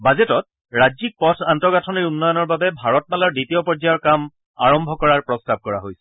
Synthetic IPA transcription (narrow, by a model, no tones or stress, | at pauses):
bazɛtɔt̚ | ɹazik̚pɔtʰantɔɡatʰɔniɹunːɔjɔnɔɹbabɛbʱaɹɔt̚malaɹditiɔpɔzajɔɹkam | a̰ɹɔmbʱɔkɔɹaɹpɹɔstab̚kɔɹa̰ɦojsɛ̥